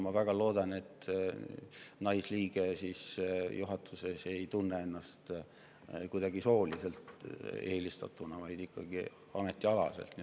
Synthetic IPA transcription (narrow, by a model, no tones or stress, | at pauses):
mɑvæɡ̥ɑlo̞ːd̪̥ɑne̞t̪ː | nɑjsliːɡ̥e̞sisjuɦɑt̪ʰːˑuse̞se̞jt̪unːee̞nːɑst̪ | kujd̪̥ɑɡiso̞ːlise̞lt̪e̞ːlist̪ɑ̰t̪ːˑunɑvɑjd̪̥ikːɑɡ̥i | ɑme̞t̪ːˑiɑlɑ̰se̞̰lt̪ni